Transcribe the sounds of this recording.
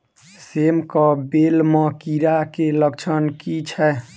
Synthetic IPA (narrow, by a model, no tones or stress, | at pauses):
semkəbelməkiɾakeləkt͡ʃʰənkit͡ʃʰɛ